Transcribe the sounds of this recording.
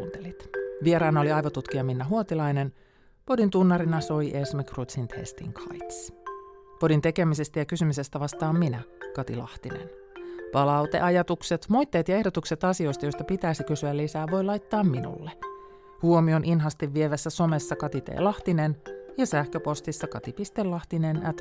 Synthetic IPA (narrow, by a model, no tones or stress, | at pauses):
nt̪elit̪ʋie̞ɾɑːnɑo̞liɑjʋot̪ut̪k̟ijɑminːæɦuot̪ilɑjne̞n | po̞dint̪unːɑɾinɑso̞jʔesmekrut̪sint̪hḛst̪ḭŋkʰɑ̰jt̪s | po̞dint̪e̞kemise̞st̪æjɑkysymyse̞st̪æʋɑst̪ɑːmːinækɑt̪ilɑ̰ht̪inḛn | pɑlɑwt̪e̞ʔɑjɑt̪ukse̞t̪mo̞jt̪ːe̞ːt̪jɑe̞hdo̞t̪ukse̞t̪ɑsio̞jst̪ɑjost̪ɑpit̪æːsikysyælːisæːʋo̞jlɑjt̪ːɑːmːinṵlːe | huomio̞nʔinɦɑst̪iʋːie̞ʋæsːæso̞me̞sːɑkɑt̪it̪ḛːlɑht̪inenjɑsæhkøpo̞st̪isːɑkɑt̪ipist̪elːɑht̪inenæt̪